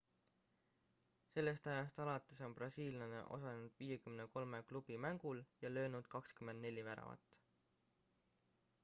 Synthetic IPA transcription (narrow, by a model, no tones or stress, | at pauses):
se̞lːe̞st̪ɑjɑst̪ɑlɑt̪ːˑeso̞nbrɑsiːljɑnḛʔo̞̰sɑlenud̪̥viːje̞kymneko̞lme̞klub̥imæŋɡ̥uljɑlø̞ːnud̪̥kɑkskymend̪ne̞lʲːivæɾɑ̰vɑ̰t̪ːˑ